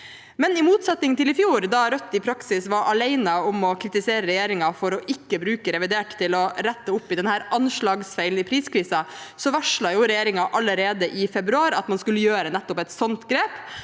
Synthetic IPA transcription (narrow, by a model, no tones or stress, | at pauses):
mɛnɪmuːt̪sɑt̪nɪŋt̪ʰɪlɪfjuːɾd̪ɑɾœt̪ːɪpʰɾɑksɪsʋɑɾʔɑlæɪnəɔmɔkʰɾɪt̪ɪseːɾəɾɛjeːɾɪŋɑfɔɾɔʔɪkːəbɾʉːkəɾɛʋɪd̪eːʈt̪ʰːɪlɔɾæt̪ːəʊpːɪd̪ɛnhæːɾɑnʂɭɑːɡsfæɪlnɪpʰɾiːskʰɾiːsɑsɔʋæʂɭɑjʊɾɛjeːɾɪŋɑʔɑlːəɾeːd̪əʔɪfɛbɾʉɑːɾɑ̰t̪mɑnskʉlːəjøːɾənɛt̪ːɔpɛt̪sɔnt̪ɡɾeːp